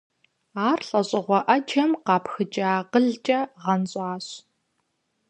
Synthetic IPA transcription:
aːrɬʼɐɕʼɪʁʷɔʔɐd͡ʒɐmqɑːpxɨt͡ʃʼɐaːqəɮt͡ʃʼɐʁɐnɕʼɑːɕ

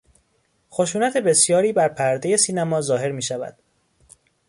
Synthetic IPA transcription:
xo̞ʃuːnæt̪ʰe̞be̞sjɒːɾiːbæɾpʰæɾd̪eje̞siːnæmɒːzɒːɦe̞ɾmiːʃævæ̰d̪̥

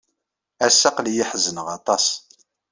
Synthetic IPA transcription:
æsːɑqlijiħzənəʁɑt̪ˤɑs

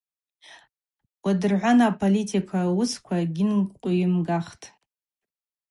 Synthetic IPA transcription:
wʷadɨrʕʷanaːpʰolitʰikʷʰawuskʷʰaɡʲɪnʷʼqʷʼijɪmɡaχtʰʼ

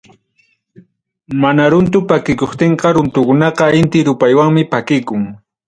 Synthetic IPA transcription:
manaɾʊnt̪̬ʊpakɪkoχt̪eɴqɑɾʊnt̪ʊkʊnɑqɑɪnt̪ɪɾʊpajwaŋmɪpakɪkʊŋ

